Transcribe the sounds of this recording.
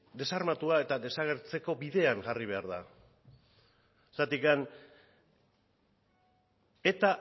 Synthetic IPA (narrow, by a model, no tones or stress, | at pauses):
d̪e̞saɾmat̪uae̞t̪aðe̞saɣ̞e̞ɾt͡se̞ko̞biðe̞aŋʝariβ̞e̞aɾða̰ | sat̪ikan | e̞t̪a